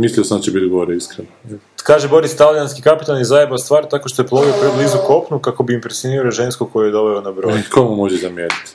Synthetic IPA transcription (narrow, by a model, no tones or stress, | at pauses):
misliosand̪at͡ʃebit̪ɡooɾeiskɾeno | kaːʒebo̞ɾist̪alianskikapit̪alnizajed̪ast̪ʋaːɾt̪ako̞ʃt̪ojeplˠoʋiopɾeblizuko̞pnukako̞biimpɾesjoniɾɾoʒenskuko̞jujed̪o̞ʋeonabɾojkʰomumoʒezamjenit̪